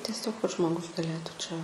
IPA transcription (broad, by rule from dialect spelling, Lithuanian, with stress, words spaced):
tʲɛˈsʲoːk kɐt ʒmoːˈɡʊs ɡɐˈlʲeːtuː t͡ʃʲɛ